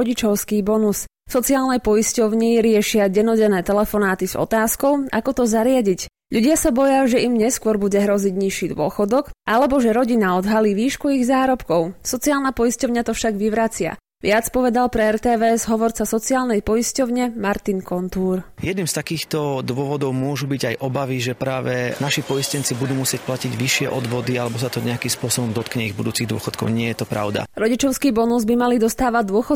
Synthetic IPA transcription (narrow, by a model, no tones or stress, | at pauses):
ɟit͡ʃɔʊskiːbɔnus | fsɔt͡siaːlnɛjpɔiscɔʊɲiɾɪɛʃɪaɟɛnɔɟɛnɛːt̪ɛlɛfɔnaːt̪iz̥ɔ̰t̪aːskɔʊa̰kɔt̪ɔzaɾɪaɟic | ʎuɟɪasabɔjaʒɛimɲɛskʊɔɾbuɟɛɦɾɔziɟɲiʃiːd̪ʊɔ̰xɔd̪ɔkʔalɛbɔʒɛɾɔɟinaɔd̪ɦaliːʋiːʃkuiɣzaːɾɔpkɔʊsɔt͡siaːlnapɔjiscɔʊɲat̪ɔfʃaɡʋiʋɾat͡sɪa̰ | ʋɪat͡spɔʋɛd̪alpɾɛɛɾt̪ɛːʋɛɛzɦɔʋɔɾt͡sasɔt͡siaːlnɛjpɔjiscɔʊɲɛmaɾt̪inkɔnt̪uːɾjɛd̪niːmst̪akiːxt̪ɔd̪ʊɔʋɔd̪ɔʊmʊɔʒubiɟajʔɔbaʋiʒɛpɾaːʋɛnaʃipɔjiscɛnt͡sibud̪uːmusɪɛc̚placiɟʋiʃɪɛʔɔd̪ʋɔd̪ialɛbɔsat̪ɔɲɛakimspʊɔsɔbɔmd̪ɔt̪kɲɛiɣbud̪uːt͡siɣd̪ʊɔ̰xɔt̪kɔ̰ʊɲɪɛjɛt̪ɔpɾa̰ʊd̪a̰ɾɔɟit͡ʃɔʊskiːbɔnuzbimalid̪ɔst̪aːʋad̪ʊɔxɔ